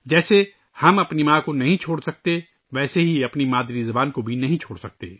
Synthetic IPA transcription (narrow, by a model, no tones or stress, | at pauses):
d͡ʒɛːse | hɐmɐpnimaːkonɐɦĩt͡ʃʰoːɽsɐk̚t̪e | ʋɛːseɦiɐpnimaːd̪ɾizɐbaːnkobʱinɐɦĩt͡ʃʰoːɽsɐk̚t̪ḛː